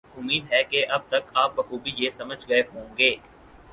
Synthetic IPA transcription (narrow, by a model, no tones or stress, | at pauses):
ʊmːiːd̪ɦɛkeʔɐb̚t̪ɐkaːp̚bɐxuːbʱijeːsɐməd͡ʒʱɡɐːfɦõːɡeː